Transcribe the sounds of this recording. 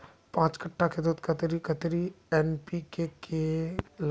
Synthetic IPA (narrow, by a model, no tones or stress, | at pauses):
pãːt͡ʃkəʈːakʰed̪ot̪kɐt̪ɾikət̪ɾi | ɛːnpikekel